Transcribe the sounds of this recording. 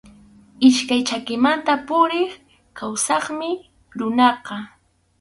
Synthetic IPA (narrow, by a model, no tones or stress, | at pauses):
ɪʃkajt͡ʃakɪmant̪apʊɾɪχ | kawsɑχmɪ | ɾʊnɑqɑ